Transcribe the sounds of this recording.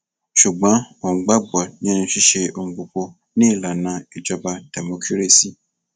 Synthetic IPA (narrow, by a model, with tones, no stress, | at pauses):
ʃu˨ɡ͡bɔ̃˨˦o˨ɡ͡ba˦ɡ͡bɔ˨nĩ˦nĩ˧ʃi˦ʃe˧o˧ŋ͡m̩˧˨k͡po˨k͡po˧ | nĩ˦i˦˨la˨nã˧i˨d͡ʒɔ˧ba˧d̥ɛ˨mo˧kʰi˦ɾe˦˨si˦˨